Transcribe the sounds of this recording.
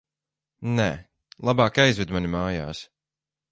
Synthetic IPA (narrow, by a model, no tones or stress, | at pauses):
nɛ | lˠabɑːkajzvɛd̪manʲimaːja̰ːs